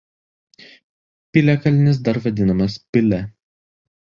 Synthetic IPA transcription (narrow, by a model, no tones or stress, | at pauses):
pʲɪlʲɛkɐlʲɪnʲɪs̬d̪ɐɾʋɐd̪ʲɪnɐmɐspʲɪlʲɛ